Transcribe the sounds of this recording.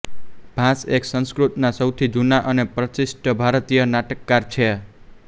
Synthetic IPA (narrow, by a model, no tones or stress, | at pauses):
b̥ʱãseksə̃nskɾut̪nasʌwt̪ʰid͡ʒunaʔʌnepɾʌt͡ʃisʈəbʱaɾt̪ijʌnaʈəkːaɾt͡ʃʰe